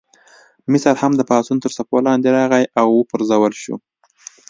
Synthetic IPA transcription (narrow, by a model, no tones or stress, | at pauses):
mɪsaɾhamd̪əpɑsunt̪əɾsapolɑnd̪eɾɑɣajʔawːəpəɾzawəlʃṵ